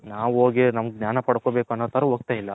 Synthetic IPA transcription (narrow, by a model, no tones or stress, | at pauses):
naːʋuɦoːɡinɐmɐɡeɡnʲjaːnɐpɐɽkoːbeːuɐnːot̪ʰɐɾɐɦoɡ̚t̪aːjilːɐ